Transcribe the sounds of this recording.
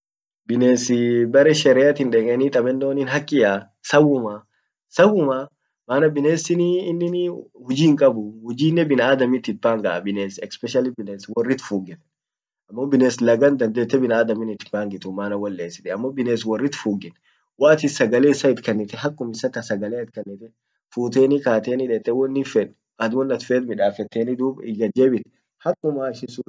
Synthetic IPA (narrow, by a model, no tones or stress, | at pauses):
bɪneːsɪbɐɾɛʃɛɾɛjat̪ɪnᶑeːkʼɛniːt̪ʼɐbɛnːoːniːnɦɐkʼːɪjaː | sɐwʊma | sɐwʊma | maːnɐbɪneːsɪniːnːɪnhʊd͡ʒiːŋkʼɐbʊhʊd͡ʒiːnːɛbɪnaaːd̪ɐmit̪ːɪt̪̚baːŋɡɐbɪneːsɛkspɛʃɐlɪbɪneːswɔrːɪt̪fuːɡɛn | ɐmːobɪneːslɐɡɐnd̪ɐnd̪eːt̪ːɛbɪnaːd̪ɐmɪnɪt̪ːbaːŋɡɪt̪ʊmaːnɐwɐlːeːsɪt̪ɛɐmːobɪneːswɔrːɪt̪fuːɡɪn | waːt̪ɪsɐɡɐleːɪsɐɪt̪kɐnːɪt̪ɛɦɐkʼːʊmɪsɐk̪ɐsɐɡɐleːɪt̪̚kɐnːɪt̪ɛ | fuːt̪eːnɪkaːt̪eːnɪᶑet̪ːɛwɔnːɪfɛᶑ | ɐd̪wɔnːɐt̪feːt̪mɪᶑaːfɛt̪ːeːnɪd̪uːbɪɡɐd͡ʒeːbɪt̪ɛ̥ | hɐkʼːʊmaːɪʃɪsuː